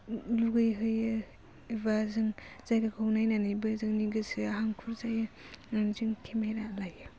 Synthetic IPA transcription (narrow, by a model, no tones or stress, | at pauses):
luɡɯjɦɯjɯ | ebazɯŋz̥ajɡakʰɯwnajnanɯjbɯzɯŋniɡɯsɯaɦaŋkʰuɾzajɯ | nanzɯŋtʰemejɾalajɯ